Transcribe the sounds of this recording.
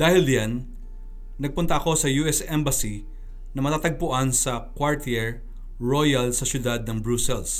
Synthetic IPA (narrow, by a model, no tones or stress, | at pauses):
d̥̪aːhɪljanː | ɐɡ̚pʊnt̪ɐʔɐko̞sɐjuːʔɛsʔɛmbɐsi | nɐmɐt̪aːt̪ɐɡ̚pʊʔansɐkwaɹt̪iɛɹ | ɹo̞jɐlsɐsjʊd̪ad̪̚nɐŋbɹusɛls